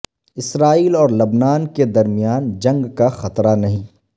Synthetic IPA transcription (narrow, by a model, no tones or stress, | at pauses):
ɪsɾaːiːlɔːɾlɐbnaːnked̪ɐɾmijaːnd͡ʒɐ̃ŋɡkaxɐt̪ɾanɐɦĩː